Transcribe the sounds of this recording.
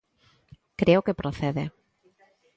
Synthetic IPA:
kɾeokepɾoθeðe

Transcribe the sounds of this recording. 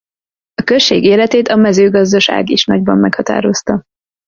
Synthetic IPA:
ɒkøʃeːɡeːlɛt̪eːt̪ɒmɛzøːɡɒzd̪ɒʃa̰ːɡiʃnɒɟbɒmːɛkhɒt̪a̰ːɾo̞st̪ɒ

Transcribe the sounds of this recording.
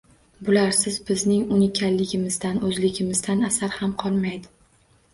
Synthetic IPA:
bʊlaɾsɪzbɪznɪŋʊnɪkʲʰalːɪɡʲɪmɪzd̪anɵzlɪɡʲɪmɪzd̪anasaɾhamqʰɒlˠmajd̪ɪ

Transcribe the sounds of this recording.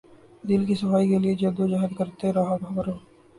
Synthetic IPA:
d̪ɪlkisɐfaːikelied͡ʒɐd̪od͡ʒaːɦəd̪kɐɾt̪eɾɐɦabʱɐbɾoː

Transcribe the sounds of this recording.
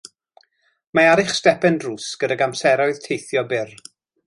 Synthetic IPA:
maaɾɪχstɛpɛndruːsɡ̥ədaɡamsɛɾɔɨð̥tʰejθjɔbɪr

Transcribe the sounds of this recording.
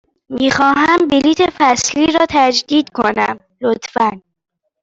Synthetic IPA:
miːxɒːɦæmbiliːt̪ʰefæsliːɾɒːt̪ʰæd͡ʒd̪iːd̪kʰonæ̰m | lot̪ʰfæn

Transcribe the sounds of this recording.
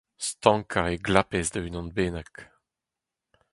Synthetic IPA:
st̪ɑ̃ŋkʰaʁeɡlapɛzd̪aynɑ̃nbeːnak

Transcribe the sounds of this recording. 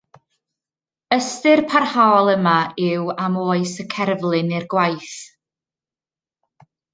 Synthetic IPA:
əstɨrpʰarhaɔlˠəmaɪwamoːɨsəkʰɛrvlˠɨnɪrɡwajθ

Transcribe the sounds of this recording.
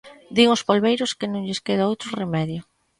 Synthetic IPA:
d̪iŋʊspolβejɾʊskɪnõŋʎɪskeðaowt̪ɾʊremɛðjʊ

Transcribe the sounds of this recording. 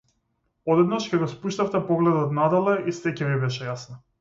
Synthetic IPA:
ɔd̪ɛd̪naʃcɛɡɔspuʃt̪aft̪ɛpɔɡlɛd̪ɔt̪nad̪ɔlˠɛʔisɛcɛvibɛʃɛjasna

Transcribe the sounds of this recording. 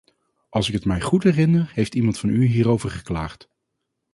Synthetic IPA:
ɑlˠsɪkɦətmɛjχutɦɛrɪnərhejftimɑntfɑnyɦiːɾowvəɹχə̥klaːχt

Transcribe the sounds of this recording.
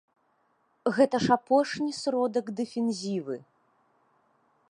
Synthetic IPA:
ɣɛt̪ɐʂapɔʂnʲisɾɔd̪ɐɡd̪ɛfʲɛnzʲivɨ

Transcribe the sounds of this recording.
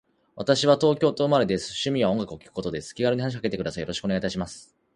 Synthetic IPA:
βat̪aɕiβat̪o̞ːkʲo̞ːt̪o̞ɯ̟maɾe̞d̪esɨ̥ɕɨmʲiβaõ̞ŋɡakɯo̞kʲi̥kɯ̟̥ko̞t̪o̞d̪e̞sɨ̥kʲiɡaɾɯɲihanaɕ̬ikake̞t̪e̞kɯasaijoɾo̞ɕi̥kɯoneait̪aɕimasɨ̥

